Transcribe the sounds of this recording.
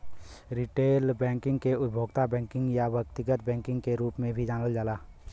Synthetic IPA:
ɾiʈeːlbɛ̃ːŋkɪ̃ŋɡkeʊd̪̚bʱoːɡt̪abɛ̃ːŋkɪ̃ŋɡjabʱjək̚t̪ɪɡət̪̚bɛ̃ːŋkɪ̃ŋɡkeɾuːpmẽbʱid͡ʒaːnəld͡ʒaːlaː

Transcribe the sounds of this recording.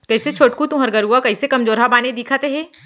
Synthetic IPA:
kɐiset͡ʃʰoːʈkũt̪ũɦɐɾɡəɾɦuakɐɪsekɐmd͡ʒoːɾɦabaːned̪iːkʰaːt̪eɦɛ̃ː

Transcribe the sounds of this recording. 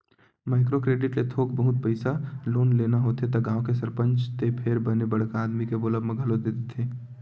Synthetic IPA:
maːɪkɾokɾeːɖɪʈlet̪ʰoːkbɐɦʊt̪̚pəɪsaloːnleːnaɦoːt̪et̪ɐɡaːõkesɐɾpə̃ɲt͡ʃt̪epʰeːɾbɐnebɐɽ̤kaːd̪mikeboːləbmə̃ɡʱɐlod̪eːt̪et̪ʰeː

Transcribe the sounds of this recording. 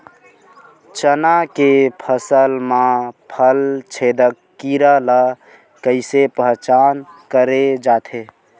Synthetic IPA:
t͡ʃənakepʰəsəlmãpʰəlt͡ʃʰed̪əkːiɾələ | kəɪsepəɦt͡ʃankəɾed͡ʒaːt̪ʰe

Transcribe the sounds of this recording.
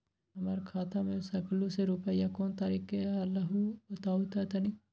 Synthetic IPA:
ɦɐmaːɾkʰaːt̪amẽsɐkluseɾuːpəjakoːnt̪aːɾiːkealaɦubɐt̪aːut̪at̪ɐnĩ

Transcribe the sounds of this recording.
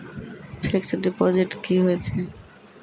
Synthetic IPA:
fʰeksɖepɔd͡ʑeʈkiɦojet͡ɕʰe

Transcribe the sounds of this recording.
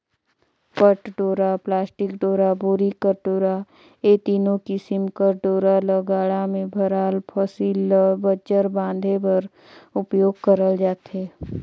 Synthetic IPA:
pəʈɖoːɾaplaːsʈɪkɖoːɾabʊɾikəɾʈoːɾa | eːt̪iːnõkɪsɪmkəɾɖoːɾaləɡaːɽamẽbʱəɾaːlpʰɔsiːlɔbəd͡ʒəɾbãːnd̪ʱepəɾ | ʊpjoːɡ̚kəɾəld͡ʒaːt̪ɦeː

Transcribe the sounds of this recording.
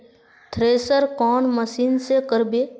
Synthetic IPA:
t̪ʰɾeːsəɾkɔːnməsiːnsekəɾbe

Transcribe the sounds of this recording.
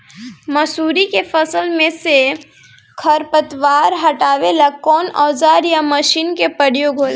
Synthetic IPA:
məsuːɾikepʰəsəlmẽse | kʰəɾpət̪ʋaːɾɦəʈaːʋelakɔːnɔːd͡ʒaːɾjaməʃiːnkepəɽ̤ijoɡʱoːl

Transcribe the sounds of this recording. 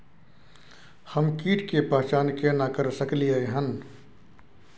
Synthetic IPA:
hɐmkiːʈkepaːt͡ʃaːnkenakəɾsəklieeɦən

